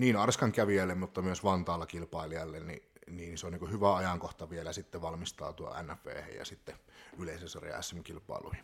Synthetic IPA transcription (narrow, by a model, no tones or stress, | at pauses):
niːnɑrskɑŋkæʋiælːemmut̪ːɑmyøsʋɑnt̪ɑːlːɑkilpɑˑeliɑlːennḭniːnseoniːkuhyʋæɑjɑŋkoht̪ɑʋielæsit̪ːeʋɑlmist̪ɑ̰ːt̪uo̰æ̰nːæfʋḛːhḛjjɑ̰sit̪ːeyleˑisesɑrj̰ɑ̰æ̰sːemkilpˑɑ̰ˑelṵhi